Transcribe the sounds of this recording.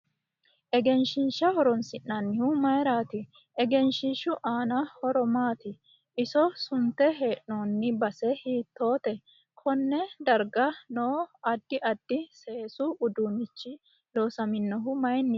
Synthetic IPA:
ʔɛɡɛnʃɪnʃɐhɔɾɔnsɪnːɐnːɪhʊmɐjɾaːt̪ɪ | ʔɛɡɛnʃɪʃʊʔaːnɐhɔɾɔmaːt̪ɪ | ʔɪsɔsʊnt̪ːɛɦe̞ːʔnoːnːɪbɐsɛhiːt̪ːo̞ːt̪ɛ | kʰɔnːɛd̪ɐɾɡɐnoːɐd̪ːɪʔɐd̪ːɪse̞ːsʊʊd̪ʊnɪt͡ʃːɪ | loːsɐmɪnːɔɦʊmɐjnːɪ

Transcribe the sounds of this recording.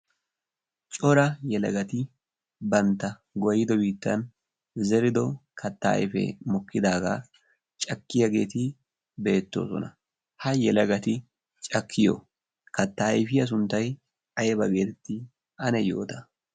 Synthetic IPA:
t͡ʃʼɔɾɐjɛlɐ̰ɡɐt̪ɪ | bɐnt̪ːɐ | ɡɔjɪd̪ɔbiːt̪ːɐn | zɛɾɪd̪ɔkʰɐt̪ːa̰jfɛ̰mɔkːɪd̪aːɡa̰ː | t͡ʃʼɐkːɪjɐɡe̞ːt̪ɪ | be̞ːt̪ːo̞̰ːsɔ̰nɐ | hɐjɛlɐɡɐt̪ɪ | t͡ʃʼɐkʰːɪjo̰ | kɐt̪ːɐjfɪjɐs̬ʊnt̪ːɐj | ɐjɛbɐɡe̞ːt̪ɛt̪ːɪ | ɐnɛjo̞ːt̪ɐ

